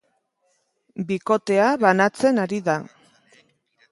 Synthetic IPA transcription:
biko̞t̪e̞aβanat͡se̞naɾiða

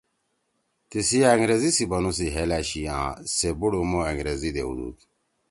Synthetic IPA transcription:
t̪isijaeŋɡɾezisibɐnus̬iɦelaːɕijãːsebuɽumoeŋɡɾezid̪ḛṵd̪ṵki̥

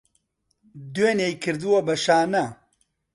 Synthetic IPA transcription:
d̪weːnejkʰɨɾd̪uwɐbɐʃaːnɐ

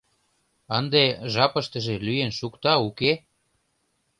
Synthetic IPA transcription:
ənd̪eʒɑpə̆ʃt̪ə̆ʒelyjenʃukt̪ɑuke

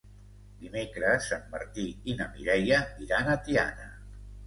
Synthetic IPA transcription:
d̪imekɾəsamːaɾt̪iinamiɾɛjəiɾanət̪ia̰nə̰

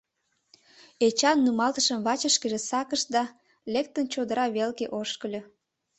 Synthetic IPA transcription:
et͡ɕɑnːumɑlt̪əʃəmβɑt͡ɕəʃkəʒesɑkəʃd̪ɑ | lek̚t̪ənt͡ɕod̪əɾɑβelkeʔoʃkəlʲø

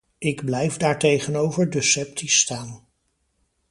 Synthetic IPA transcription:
ɪɡblɛjfdaːɹtejχənowvəɹdəsɛp̚tʰistaːn

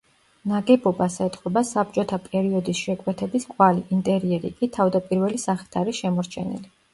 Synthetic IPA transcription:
naɡɛbɔbasɛt̪ʼχɛbasab̚t͡ʃʼɔt̪ʰapʼɛɾiɔd̪isʃɛkʼwɛt̪ʰɛbiskʼwaliʔint̪ʼɛɾiɛɾḭkʼit̪ʰavd̪apʼiɾvɛlisaχi̥t̪ʰaɾisʃɛmɔɾt͡ʃʰɛnɛ̰li

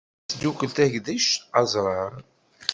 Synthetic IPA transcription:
d̪ukəlt̪æʝd̪iʃɑzˤɾˤɑɾˤ

